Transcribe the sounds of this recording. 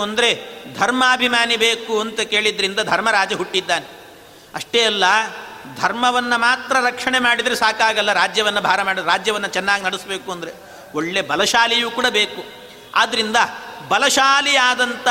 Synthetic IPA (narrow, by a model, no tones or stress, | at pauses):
ɐnd̪ɐɾe̞d̪ʱɐɾmɐːbʱimaːnibeːkuɐnt̪ɐke̞ːɭid̪ɐɾind̪ɐd̪ʱɐɾmɐɾaːd͡ʒɐɦuʈːid̪ːaːne | ɐʂʈeːɐlːɐd̪ʱɐɾmɐʋɐnːɐmaːt̪ɾɐɾɐkʂɐɳemaːɽid̪ɐɾesaːkaːɡɐlːɐɾaːd͡ʒjɐʋɐnːɐbʱaːɾɐmaːɽiɾaːd͡ʒjɐʋɐnːɐt͡ʃɛnːaːɡinɐɽisbe̞ːkuɐnd̪ɐɾe | oɭːe̞bɐlɐʃaːlijuːkuːɽɐbeːku | aːd̪ɐɾind̪ɐbɐlɐʃaːlijaːd̪ɐnt̪ɐ